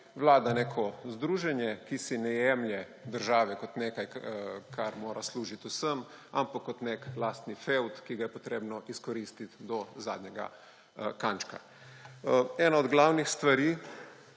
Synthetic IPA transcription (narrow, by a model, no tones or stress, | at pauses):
ʋlaːd̪anekʰɔzd̪ɾuːʒɛnjɛkisinɛjɛmljɛ | d̪əɾʒaːʋɛkɔt̪neːkajkʰaɾmoːɾʔasluːʒit̪usəmampakːɔt̪neklast̪nifewt̪kiɡajɛpɔt̪ɾeːbnɔʔiskɔɾist̪it̪d̪ɔza̰ːd̪njɛɡa̰ | kant͡ʃka̰ | ɛːnaɔd̪ɡlawnixst̪ʋaɾiː